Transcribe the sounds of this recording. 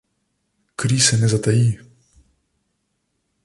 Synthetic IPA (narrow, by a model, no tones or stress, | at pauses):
kɾisɛnɛzat̪aji